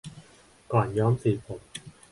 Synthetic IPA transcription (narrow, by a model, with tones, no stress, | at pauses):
kɔː˨˩njɔː˦˥msiː˨˩pʰo˨˩˦m̚